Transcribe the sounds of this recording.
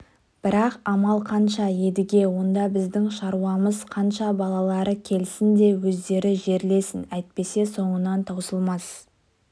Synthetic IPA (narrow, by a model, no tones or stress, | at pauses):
b̥ɪɾɑqɑmɑlˠqʰɑnʃɑje̞d̪ɪɡʲe̞wo̞nd̪ɑbɪzd̪ɪŋʃɑɾuɑməzqʰɑnʃɑbɑlˠɑlˠɑɾəkʲʰe̞lɪsɪnd̪e̞wɵzd̪e̞ɾɪʒe̞ɾle̞sɪnæjt̪̚pe̞se̞so̞ɴənɑnt̪ʰɑwsəlˠmɑs